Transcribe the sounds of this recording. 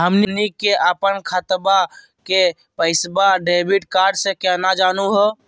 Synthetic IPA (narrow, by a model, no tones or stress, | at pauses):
ɦəmninikeʔəpənkʰət̪ba | ke | pəɪsbaɖebiʈkaɾɖsẽkɛnad͡ʒanuɦɛ